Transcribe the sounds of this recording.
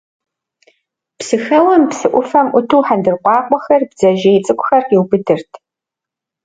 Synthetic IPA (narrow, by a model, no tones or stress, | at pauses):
psɨxɐwɐmpsɨʔʷʊfɐmʔʷʊtʰuːħandɨrqʷɑːqʷʼɔxɐrbzɐʒejt͡sʼɨkʷʰʼʊxɐrɪwbɨdɨrtʰ